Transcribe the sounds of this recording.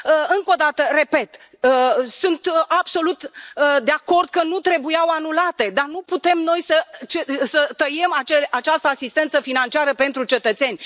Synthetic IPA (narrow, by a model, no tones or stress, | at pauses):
ɨŋko̞d̪at̪əre̞pe̞t̪ | sunt̪abso̞lut̪d̪eako̞rd̪̚kənut̪ɾe̞bujawanulat̪e̞d̪arnuput̪e̞mno̞jsət͡ʃesət̪əjemat͡ʃelʔat͡ʃast̪əasist̪e̞nt̪səfinant͡ʃiaɾəpe̞nt̪ɾut͡ʃe̞t̪ət̪se̞nʲ